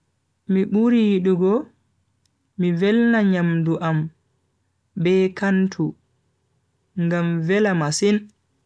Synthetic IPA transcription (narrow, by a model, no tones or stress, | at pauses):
miɓuɾijiɗuɡɔ | mivɛlnaɲamduʔam | bɛːkantʰu | ŋɡamvɛlamasin